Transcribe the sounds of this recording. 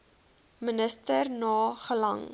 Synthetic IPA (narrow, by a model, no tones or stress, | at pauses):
mənəstərnɑːχəlɐ̰ŋ